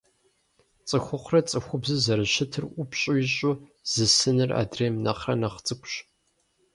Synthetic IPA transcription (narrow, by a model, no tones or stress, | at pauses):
t͡sʼɨxʷʊχʷʊrɐt͡sʼɨxʷʊbzɨzɐɾɨɕɪtʰɨrʔʷʊpɕʼojɪɕʼoz̥ɨsɨnɨra̰ːdreːmnɐχrɐnɐχt͡sʼɨkʷʰʼɕ